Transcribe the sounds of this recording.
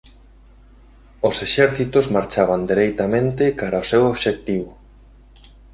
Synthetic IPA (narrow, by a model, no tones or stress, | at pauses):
oseʃɛɾθit̪ozmaɾt͡ʃaβand̪iɾejt̪amẽnt̪ɪkaɾaosewoβʃek̚t̪iβʊ